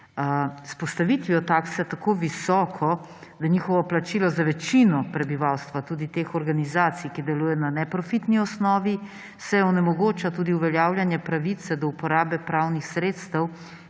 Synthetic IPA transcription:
spɔst̪aʋit̪ʋiɔt̪aːksɛt̪akoːʋisɔːkʰɔ | d̪aɲiːxɔʋɔplat͡ʃilɔzaʋɛt͡ʃinɔpɾɛbiʋaːwst̪ʋat̪uːd̪it̪exɔɾɡanizaːt̪sijkid̪ɛluːjɛnanɛpɾɔfit̪niɔsnɔːʋi | sɛɔnɛmɔɡoːt͡ʃat̪uːd̪iuʋɛljaːwlʲjanjɛpɾaʋit̪sɛd̪ɔupɔɾaːbɛpɾawnixsɾeːt̪st̪əw

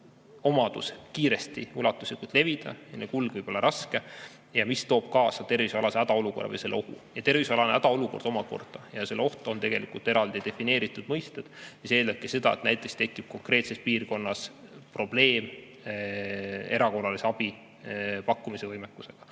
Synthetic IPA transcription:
o̞mɑd̪̥uskiːɾe̞st̪iulɑt̪ːˑuslikult̪le̞vid̪̥ɑ̰ɑnekulɡ̥vɯjb̥o̞lːɑɾɑske̞ | jɑmist̪oːb̥̚kɑːsɑt̪e̞rvisɑlɑseæd̪ɑo̞luko̞rːɑ̰vɤ̰jse̞lːeo̞hṵjɑt̪e̞rvisɑlɑneæd̪̥ɑo̞luko̞rd̪o̞mɑko̞̰rd̪̥ɑjɑse̞leo̞ht̪o̞nt̪e̞ɡ̥e̞likult̪e̞ɾɑld̪id̪e̞fine̞ːɾit̪ːˑud̪̥mɤjst̪ed̪̥siseːld̪ɑp̚kese̞d̪̥ɑet̪næjt̪ːˑekst̪e̞kːˑib̥̚ko̞ŋkre̞ːt̪se̞spiːrko̞nːɑspro̞b̥le̞ːm | e̞ɾɑko̞rːɑliseɑb̥i | pɑkːumise̞vɤjmekːˑuse̞ɡ̥ɑ̥

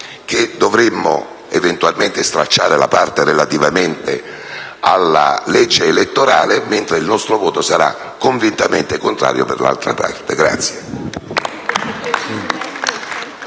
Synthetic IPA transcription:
k̟ed̪ovɾemːo̰ | event̪ualment̪est̪ɾat͡ʃːaːɾela̰part̪erelat̪ivament̪ḛ | alːa̰lɛd͡ʒːeːlet̪ːoɾaːlement̪ɾeilnɔst̪ɾovɔːt̪osaɾa̰ | kːoɱvint̪amḛnt̪ekont̪ɾa̰ːɾjo̰perla̰lt̪ɾa̰pa̰rt̪eɡɾa̰t̪sje

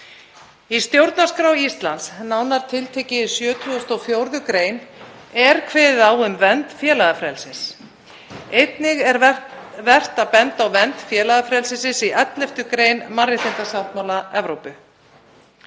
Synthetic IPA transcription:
ist̪jowɾt̪nḁskɾawist̪lansnaːwnaɾ̥t̪ʰɪlt̪ʰɛːcɪsjœːt̪ʰuɔst̪ɔfjowɾðʏkɾeːjn | ɛɾkʰvɛːððawʏmvɛnt̪fjɛːlaɣafɾɛlsɪs | ejt̪nɪɣɛɾvɛr̥t̪aðpɛnt̪awvɛnt̪fjɛːlaɣafɾɛlsɪsɪsiʔɛt̪lɛft̪ʏkɾeːjnmarɪt̪ʰent̪asawht̪mawlaɛvɾowpʏ

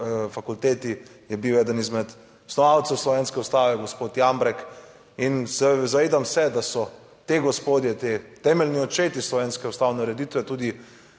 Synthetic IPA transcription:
fakult̪eːt̪ijɛbiwɛːd̪ənizmɛt̪ | ɔ̥snɔʋawt̪sɛwslɔʋenskɛust̪aːʋɛɡospoːt̪jambɾɛk | insɛzaʋeːd̪amsɛd̪asɔ | t̪eɡɔspoːd̪jɛt̪et̪ɛmɛlniɔt͡ʃeːt̪islɔʋeːnskɛust̪aːwnɛuɾɛd̪it̪ʋɛt̪uːd̪i

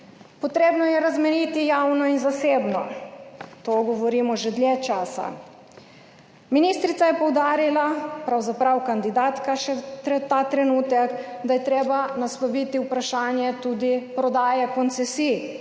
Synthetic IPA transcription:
pɔt̪ɾeːbnɔjɛɾazmɛɾit̪ijawnɔinzaseːbnɔ | t̪oɡɔʋɔɾiːmɔʒɛd̪lʲjɛt͡ʃaːsa̰ | minist̪ɾit̪sajɛpɔwd̪aːɾilapɾawzapɾawkand̪id̪aːt̪kaʃɛt̪ɾɛt̪at̪ɾɛnuːt̪ɛkd̪ajɛt̪ɾeːbanaslɔʋiːt̪iwpɾaʃaːnjɛt̪uːd̪ipɾɔd̪aːjɛkɔnt̪sɛsi

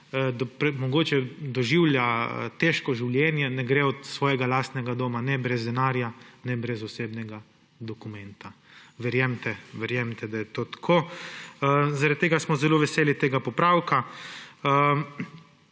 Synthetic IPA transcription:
d̪pɾɛmɔɡoːt͡ʃɛd̪ɔʒiwlja̰t̪eʃkɔʒiwljɛːnjɛnɛɡɾeɔt̪sʋɔːjɛɡalaːst̪nɛɡad̪oːmanɛbɾɛzd̪ɛnaːɾjanɛbɾɛzɔseːbnɛɡa | d̪ɔkumɛnt̪a | ʋɛɾjɛmt̪ɛʋɛɾjɛmt̪ɛd̪ajɛt̪oːt̪ḁkʰoː | zaɾad̪̚t̪ːeːɡasmɔzɛloːʋɛseːlit̪eːɡapɔpɾawka | ə

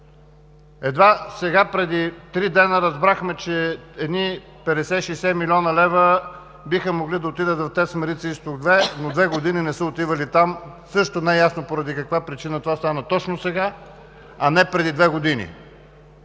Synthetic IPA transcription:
ɛd̪vasɛɡapɾɛd̪it̪ɾid̪ɛnəɾɐzbɾaxmɛt͡ʃɛɛd̪ni | pɛd̪ɛsɛʃɛjsɛmilʲɔnəlɛvə | bixəmoɡlid̪ɐot̪id̪ət̪vɐft̪ɛt̪smɛɾit̪sist̪oɡd̪vɛnod̪vɛɡod̪ininɛsəot̪ivəlit̪am | sɤʃt̪onɛjasnopoɾɐd̪ikɐkvapɾit͡ʃinət̪ovast̪anət̪ɔt͡ʃnosɛɡa | ɐnɛpɾɛd̪id̪vɛɡod̪inḭ

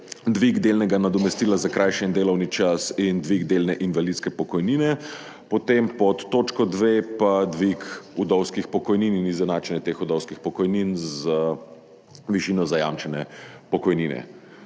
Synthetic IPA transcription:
d̪ʋiɡd̪eːlnɛɡanad̪ɔmɛst̪iːlazakɾajʃɛind̪eːlɔwnit͡ʃasind̪ʋiɡd̪eːlnɛʔinʋalit̪skɛpɔkɔjniːnɛ | pɔt̪empɔt̪ːoːt͡ʃkɔd̪ʋepad̪ʋikud̪ɔwskixpɔkɔjnininizɛnaːt͡ʃɛnjɛt̪exud̪ɔwskixpɔkɔjninzə | ʋiʃiːnɔzaja̰mt͡ʃɛnɛpɔkɔjninɛ̰

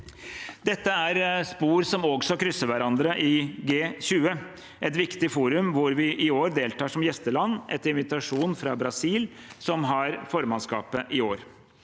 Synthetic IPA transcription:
d̪ɛt̪ːəæɾspuːɾsɔmɔɡsɔkɾʏsːəɾʋæɾɑnd̪ɾəʔɪɡeːɕʉːə | ʔɛt̪ʋɪkt̪ɪfuːɾʉmʋʊɾʋɪʔɪoːɾd̪eːlt̪ʰɑːʂɔmjɛst̪əlɑnːʔɛt̪ːɪnʋɪt̪ɑʂuːnfɾɑbɾɑsiːlsɔmɦɑɾfɔɾmɑnskɑ̰ːpəʔɪoːɾ

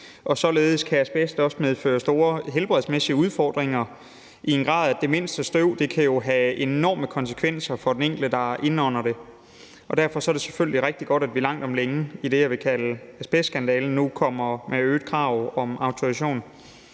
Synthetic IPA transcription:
ʔɒ̽sɒ̽le̝ːð̞̩ˠskʰææsb̥esd̥ɒ̽səmeð̞ˠfø̰ːɐsd̥o̝ːɐɦelb̥ʁɛðˠsmesiəuð̞ˠfɒ̰ːd̥ʁeŋɐ | ʔienɡ̥ʁɑ̰̈ðˠæd̥e̝me̝n̰sd̥əsd̥øʊd̥e̝kʰæjo̝ɦæe̝nɒ̰ːməkʰɒ̽nsə̥kʰʋen̰sɐfɒ̽d̥eneŋ̰ɡ̥ldəd̥ɑ̈ɐʔe̝nɒ̽n̰ɐɾ̥e̝ | ɒ̽d̥æɐ̰fɒ̽sɒ̽æɐɾe̝se̥føl̰liʁeɡ̥̚d̥iɡ̥ɒ̽ɾ̥æd̥ʋilɑ̈ŋ̰d̥ɒ̽mleŋiɾ̥e̝jɑʋe̝kʰæləæsb̥esɡ̥ænd̥ɛːln̩nːukʰɒ̽m̰ɐmʔeøːd̥̚kʰʁɑ̈ʊɒ̽mɑ̈ʊt͡sʰoæɕo̝̰ːn

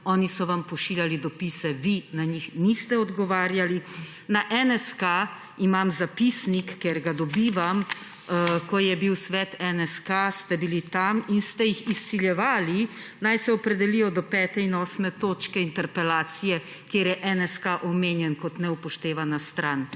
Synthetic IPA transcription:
ɔːnisɔʋampɔʃiljalid̪ɔpisɛʋinaɲixnist̪ɛɔd̪ɡɔʋaːɾjali | naʔɛnɛska | imamzapisnikːeɾɡad̪ɔbiːʋam | kɔjɛbiwsʋɛt̪ɛnɛskast̪ɛbilit̪aminst̪ɛjixisːiljɛʋaːlinajsɛɔpɾɛd̪ɛlijɔd̪ɔpɛːt̪ɛinɔːsmɛt̪oːt͡ʃkɛint̪ɛɾpɛlaːt̪sijɛ | kjeɾjɛʔɛnɛskaʔɔmeːnjɛnkɔt̪nɛupɔʃt̪eːʋanast̪ɾan

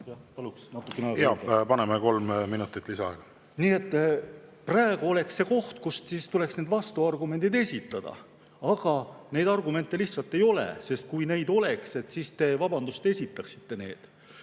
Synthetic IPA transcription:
jɑpɑluksnɑt̪ːˑukˑːeneɑeɡjɑpɑnemeko̞lmmːinut̪ːˑit̪ːˑlisɑḛɡ̥ɑ | niːe̞t̪ːpræeɡ̥uo̞le̞kse̞ko̞ht̪kust̪siːst̪ule̞ksneːd̪vɑst̪uɑrɡume̞nd̪̥id̪e̞sʲit̪ːˑɑd̪̥ɑ̰ | ɑɡ̥ɑne̞jd̪ɑrɡume̞nt̪ːˑe̞liçtsɑlt̪ːˑe̞jo̞lḛse̞st̪̚kujne̞jd̪o̞le̞kse̞t̪ːsiːst̪e̞vɑbɑnd̪̥ust̪e̞sʲit̪ːˑɑksi̥t̪ːe̞ne̞̰ːd̪̥

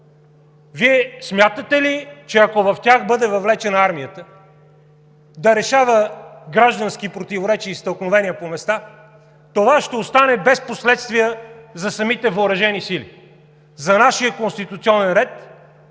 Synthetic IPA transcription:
viɛsmjat̪ət̪ɛlit͡ʃɛɐkovɐft̪ʲaxbɤd̪ɛvɐvlɛt͡ʃɛnɐaɾmijət̪ə | d̪ɐɾɛʃavəɡɾaʒd̪ɐnsk̟ipɾot̪ivoɾɛt͡ʃiːst̪əlˠknovɛnijəpomɛst̪a | t̪ovaʃt̪ɛost̪anɛbɛsposlɛt̪st̪vijəzɐsɐmit̪ɛvoːɾɐʒɛnisilḭ | zɐnaʃiəkonst̪it̪ut̪siɔnɛnɾɛt̪

